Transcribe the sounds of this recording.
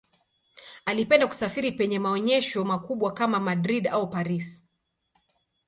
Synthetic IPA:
alipɛndaku̥safiɾipɛɲɛmaɔɲɛʃɔmakuɓwakamamadɾiɗaupaɾis

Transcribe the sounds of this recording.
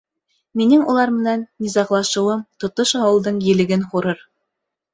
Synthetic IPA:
minɘŋulˠɑɾmɘ̆nænːizɑqlˠɑʃɤ̆wɤmt̪ŏt̪oʃɑwɤ̆lˠd̪ɤɴjɘ̆lɘ̆ɡɘnχuɾɤɾ

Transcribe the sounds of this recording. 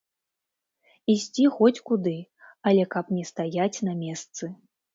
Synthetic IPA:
isʲt͡sʲixɔt͡sʲkud̪ɨ | ɐlʲɛkɐpnʲɛst̪ajat͡sʲnɐmʲɛst̪sɨ

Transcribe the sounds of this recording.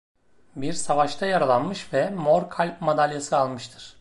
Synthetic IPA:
biɾsavaʃt̪ʰajaɾalˠanmɯʃvɛmoɾkʰalʲpmad̪alʲjasɯalˠmɯʃt̪ʰɯɾ̥

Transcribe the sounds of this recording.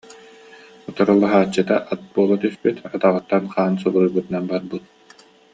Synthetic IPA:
ut̪ɔɾɔlˠːaɦaːt͡ɕːɯt̪aʔat̪̚buɔlˠat̪yspyt̪ʰat̪aʁɯt̪ːanχaːnsɔbuɾujbut̪ɯnanbaɾbut̪̚

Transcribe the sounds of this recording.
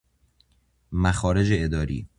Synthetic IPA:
mæxɒːɾe̞d͡ʒeed̪ɒːɾḭː

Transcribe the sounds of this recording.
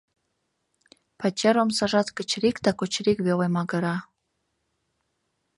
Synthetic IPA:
pɑt͡ɕɑɾomsɑʒɑt̪kə̆t͡ɕɾikt̪ɑkot͡ɕɾikβelemɑɡə̆ɾɑ

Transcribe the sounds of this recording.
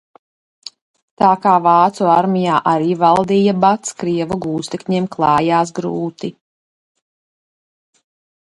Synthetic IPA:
t̪aːkaːvɑːt̪suaɾmijaːʔaɾiːvalˠd̪iːjabat̪skɾiɛvuɡuːst̪ɛkɲiːmklˠɑːjaːs̬ɡɾṵːt̪i

